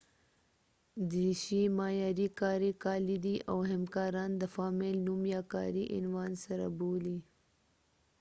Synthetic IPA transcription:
d̪iʃimɑːjɑːɾikɑːɾikɑlid̪iʔawɦamkɑːɾɑnd̪əfɑːmɪlnumjɑkɑ̰ːɾiʔɪ̰nwɑːnsaɾa̰boli

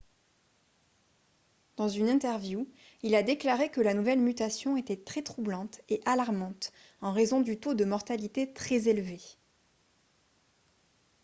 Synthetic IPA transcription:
d̪̥ɑ̃zynɛ̃t̪ɛʁvju | ilad̪eklaʁekəlanuvɛlmyt̪asjɔ̃et̪ɛt̪χɛt̪χublɑ̃t̪eʔalaʁmɑ̃t̪ | ɑ̃ʁezɔ̃d̪yt̪od̪əmɔʁt̪alit̪et̪χɛzelve

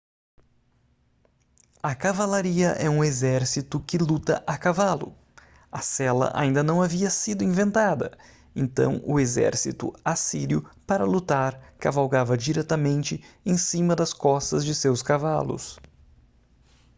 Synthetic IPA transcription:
ɐkavalaɾiɐʔɛũezɛɾsit̪ʊkɪlut̪ɐʔakavalʊ̰ | ɐsɛlɐ̰ʔa̰ĩnd̪ɐnɐ̃w̃aviɐsid̪ʊĩvẽnt̪ad̪ɐ̰ | ḛ̃nt̪ɐ̰̃w̃ʊ̰ezɛ̰ɾsḭt̪ʊ̰asiɾiʊpaɾɐlut̪aɾkavawɡavɐd͡ʒiɾɛt̪ɐmẽnt͡ʃɪẽj̃sĩmɐd̪ɐskɔst̪ɐzd͡ʒɪsewskavalʊ̰s

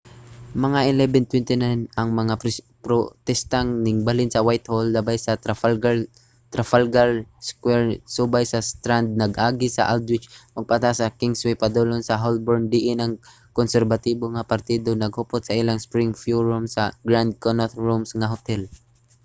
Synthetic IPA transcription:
mɐŋaʔɛlɛbɛnt̪wɛnt̪ɪnajnɐŋmɐŋa | pɾot̪ɛst̪aŋnɪŋbalɪnsɐwajt̪holːɐbajsɐɡ | t̪ɾafalɡalskwɛɹsubajsɐst̪ɾand̪̚nɐɡʔaːɡɪsɐ̰ʔald̪wɪt͡ʃmɐɡ̚pat̪asɐkɪŋswɛpɐd̪olonsɐɦolboɹnd̪ɪʔɪnɐŋ | konsɛɾbɐt̪iːboŋɐpɐɾt̪iːd̪onɐɡ̚hopot̪̚sɐʔɪlaŋspɾɪŋfjuɹʊmsɐɡɹand̪̚konat̪ɹomsŋɐɦot̪ɛl

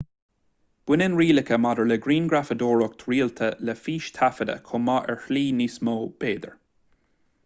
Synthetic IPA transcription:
b̥wɪnɪnɹiːlɪkəmadəɹlɛɡɾiːnɡɹafəd̪oːɹɔk̚t̪ʰɹiːlt̪ʰəlɛfiːʃt̪ʰafəd̪ə̰kʰomaʔɛɹhliːnismoːb̥eːd̪ə̰ɹ

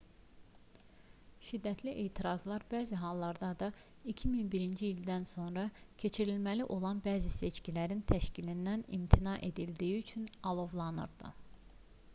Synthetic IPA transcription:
ʃid̪ːæt̪ʰliʔe̞ːt̪ʰiɾɑzlˠɑɾbæːziɦɑlˠːɑɾd̪ɑd̪ɑ | icʰiminbiɾind͡ʒiild̪ænso̞nɾɑcʰe̞t͡ʃʰiɾilmæliʔo̞lˠɑnbæːzise̞t͡ʃcilæɾint̪ʰæʃcilind̪ænḭmt̪ʰinɑʔe̞d̪ild̪ijiyt͡ʃʰynɑlˠo̞vlˠɑnɯ̰ɾd̪ɯ̰

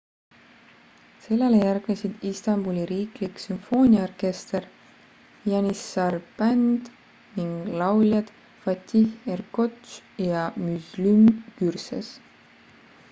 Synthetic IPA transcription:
se̞lːe̞lejærɡ̥nesid̪̥ist̪ɑmbulʲiɾiːkliksynfo̞ːnʲiɑorke̞st̪er | jɑnisɑrpænd̪̥ | niŋɡ̥lɑwlʲjɑd̪̥ | fɑt̪ʲːiherkot̪t͡ʃjɑmyzlymkyrsḛs

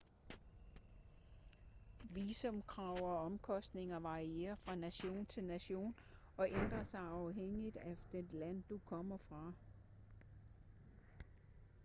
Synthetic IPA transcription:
ʋiːsɔmkʰʁɑ̈ʊ̰ɒ̽ɒ̽mkʰɒ̽sd̥ne̝ŋɐʋɑ̈ʁiḛːɐfʁɑ̈næɕo̝̰ːnt͡sʰe̝lnæɕo̝̰ːn | ɒ̽ʔend̥ʁɐsɑ̈ɪɑ̈ʊɦeŋ̰id̥æd̥enlæn̰d̥ukʰɒ̽m̰ɐfʁɑ̈

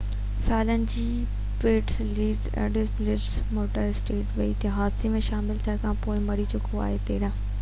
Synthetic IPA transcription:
saːlənɪ̆d͡ʑiː | peːʈsliːɖzɛ̰̃ːɖɪsblɪɖzmoːʈəɾɪsʈeːʈʋɐit̪ʰɦaːd̪semẽʃaːmɪlt̪ʰiəɽ̃kʰãpoːɪ̃mɐɽit͡ɕʊkʰoa̰ːɦet̪eːɾãː

